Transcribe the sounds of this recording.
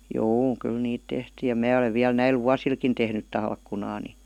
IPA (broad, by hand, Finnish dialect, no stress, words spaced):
juː kyl niːt tehtiː jɑ mæː oleʋ ʋiæl næil ʋuɑsilkin tehnyt tɑlkːunɑː ni